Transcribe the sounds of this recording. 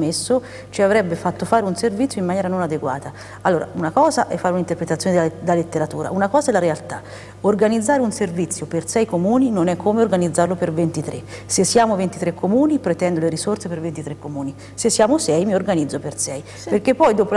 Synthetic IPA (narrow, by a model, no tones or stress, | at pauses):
mesːo | t͡ʃiavɾɛbːefat̪ːofaːɾeunservit̪sjoimːanjɛɾanonad̪eɡwa̰ːt̪a | alːoːɾʔa̰unakɔːzaʔɛfːaɾunaint̪erpɾet̪at̪sjoned̪d̪elalet̪ːeɾat̪uːɾa̰unakɔːzaɛlːaɾealt̪a | orɡanid̪zːaːɾeunservit̪sːjopersɛjkomuːninonɛkʰːoːmeorɡanid̪zːaɾrlopervent̪it̪ɾʔḛsesːjaːmovent̪it̪ɾekʰːomuːnipɾet̪ɛnd̪oleɾisort̪sepervent̪it̪ɾekːomuːni | sesːjaːmosɛjmiorɡanid̪zːopersɛj | perk̟epːɔjd̪oːpo